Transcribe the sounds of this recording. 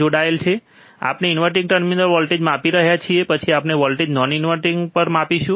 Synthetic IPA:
oɽaelt͡ʃʰe | a̰pneinʋəɾʈ̬ĩŋɡʈəɾminəlʋɔlʈed͡ʒmapiɾəɦjat͡ʃʰiepət͡ʃʰiapneʋɔlʈed͡ʒnɔninʋəɾʈiŋɡpəɾmapiʃũ

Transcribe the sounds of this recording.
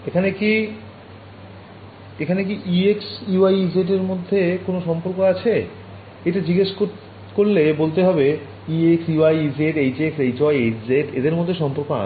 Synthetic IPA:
ekʰaneki | ekʰanek̬iʔieksuajid͡ʑeʈ̬eɾmod̪ʱːekonoʃɔmpoɾkoat͡ɕʰe | eʈad͡ʑiɡeʃko | koɾlebolt̪eɦɔbe | ieksjuajid͡ʑeʈejd͡ʑeksejt͡ɕɔjed͡ʑeʈḛd̪eɾmod̪ʱːeʃɔmpoɾkoa̰

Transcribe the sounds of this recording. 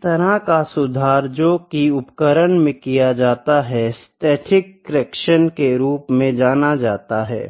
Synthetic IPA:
t̪ɐɾãkasʊd̪ʱaːɾd͡ʒoːkiʊpkəɾənmẽkijad͡ʒaːt̪aɦɛsʈɛːʈʰɪkːɾɛːkʃənkeɾuːpmẽd͡ʒaːnad͡ʒaːt̪aɦɛ̰ː

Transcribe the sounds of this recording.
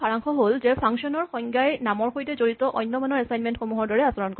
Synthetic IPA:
aɹaŋxʰɔɦolzɛpʰaŋsɔnɔɹxɔŋɡajnamɔɹxojtɛzoɹitɔʔɔjnːɔmanɔɹɛsajnmɛntxomuɦɔɹdɔɹɛasɔɹɔnk

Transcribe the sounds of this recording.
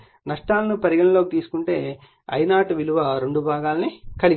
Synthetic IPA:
nɐʂʈaːlɐnupɐɾiɡɐɳɐlo̞ːkit̪iːsu̥kuɳʈe̞ː | ɐ̰jnaːʈuʋiluʋɐɾe̞ɳɖubʱaːɡaːlɐnikɐɭi

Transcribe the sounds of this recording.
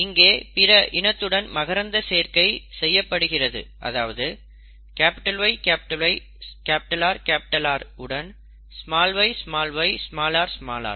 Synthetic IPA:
ɪŋɡeːpɪɾɐʔɪɳɐt̪ːɯɽɐnmɐɣɐɾɐnd̪ɐseːɾkɐɪsɛjːɐpːɐɽɯɣɪrɐðɯ̰ʔɐ̰ðaːʋɐðɯ | kaːpɪʈɐlʋɐɪkaːpɪʈɐʋɐɪ | kaːpɪʈɐlaːɾkaːpɪʈɐlaːɾɯɽɐn | smaːlʋɐɪsmaːlʋɐɪsmaːlaːɾsma̰ːla̰ːɾ

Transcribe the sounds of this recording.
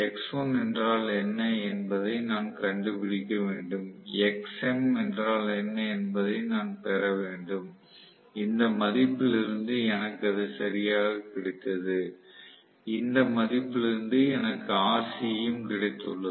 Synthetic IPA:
ɛksoːnɛndraːlɛnːɐɛnbɐðɐɪnaːnkɐɳɖɯpɪɽɪkːɐʋeːɳɖɯmɛksɛmɛndraːlɛnːɐɛnbɐðɐɪnaːnpɛɾɐʋeːɳɖɯm | ɪnd̪ɐmɐðɪpːɪlɪɾɯnd̪ɯɛnɐkːɐðɯsɐɾɪjaːɣɐkɪɽɪt̪ːɐðɯ | ɪnd̪ɐmɐðɪpːɪlɪɾɯnd̪ɯɛnɐkːɯaːsɪjɯmkɪɽɐɪt̪ːɯɭːɐ

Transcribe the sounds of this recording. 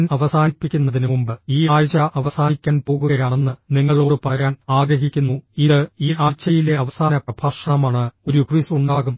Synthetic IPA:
nɐʋɐsaːnipːikʲːunːɐðinumumbɨiːaːjt͡ɕɐʔɐʋɐsaːnikʲːaːnpo̞ːɣuɣɐjaːɳe̞nːɨniŋːɐɭo̞ːɽɨpɐɾaːnaːɡɾɐɦikʲːunːuiðɨiːaːt͡ɕɐjile̞ɐʋɐsaːnɐprɐbʱaːʂɐɳɐmaːɳɨo̞ɾukrisuɳɖaːɣum

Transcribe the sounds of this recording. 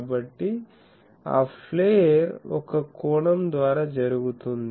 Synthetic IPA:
bəʈːi | a̰ffleɾo̰kʰakoɽəmd̪ʋaɾad͡ʑəɾuɡt̪und̪

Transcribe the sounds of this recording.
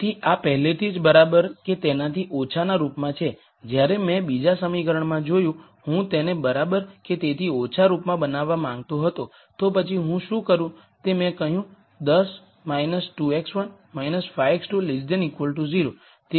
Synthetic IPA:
t̪ʰiʔapəɦlet̪ʰid͡ʒbəɾabəɾket̪enat̪ʰiʔot͡ʃʰanaɾupmãt͡ʃʰe | d͡ʒjaɾemɛ̃bid͡ʒasəmikəɾəɳmãd͡ʒojũ | hũt̪enebəɾabəɾket̪et̪ʰiot͡ʃʰaɾupmãbənaʋːamãŋɡ̚t̪oɦət̪o | t̪opət͡ʃʰiɦũʃũkəɾũ | t̪emɛ̃kəɦjũ | d̪əs | majnəsʈueksʋən | mainəsfʰajeksʈulisɖənikʋəlʈuziɾo | t̪e

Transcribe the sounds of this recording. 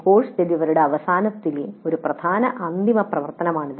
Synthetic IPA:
ko̞ːʂd͡ʑed̪iʋɐɾuɽeɐʋɐsaːnɐt̪ːileoɾuprɐd̪ʱaːnɐʔɐnd̪ʱimɐprɐʋɐrt̪ɐnɐmaːɳið

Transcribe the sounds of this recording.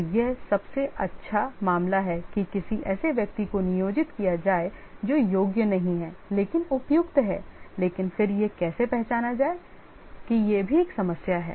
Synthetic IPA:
jesɐbseʔɐtːʃʰamaːmlaɦɛkikɪsiʔɛːseʋjɐk̚t̪ikonɪjoːd͡ʒɪt̪kijad͡ʒaːed͡ʒoːjoːɡjənɐɦĩɦɛːleːkɪnʊpjʊkt̪ɦɛ̰ːleːkɪnfɪɾjekɛːsepɛɦt͡ʃaːnad͡ʒaːe | kijebʱieːksɐməsjaɦɛ̰ː

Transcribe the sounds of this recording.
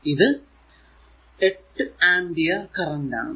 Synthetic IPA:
iðɨ | eʈːɨaːɳɖijɐkɐrɐnɖa̰ː

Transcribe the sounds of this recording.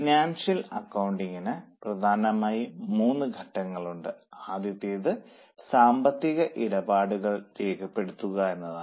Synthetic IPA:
naːnʂilɐkːɐwɳɖiŋɡinɨprɐd̪ʱaːnɐmaːjimuːnːɨɡʱɐʈːɐŋːɐɭuɳɖɨaːd̪jɐt̪ːijɐðɨ | saːmbɐt̪ːiɣɐʔiɽɐbaːɽuɣɐɭteːkʰɐpːe̞ɽut̪ːuɣɐe̞nːɐðaː

